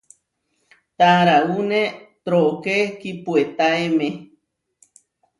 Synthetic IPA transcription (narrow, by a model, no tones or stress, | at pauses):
t̪aɾaunẽt̪ɾoʔkekipuet̪aemẽ